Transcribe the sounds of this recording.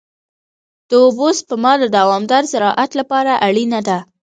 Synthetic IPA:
d̪̥əobos̚pəmɑd̪əd̪awɑmd̪ɑɾzaɾɑʔat̪lapɑɾaʔaɽinad̪a

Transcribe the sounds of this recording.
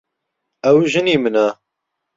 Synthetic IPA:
ɛwʒɨniːmɨna

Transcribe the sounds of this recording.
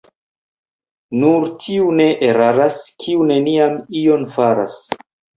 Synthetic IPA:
nuɾtʰiune̞ʔeɾaɾaskʰiune̞niamio̞nfaɾa̰s

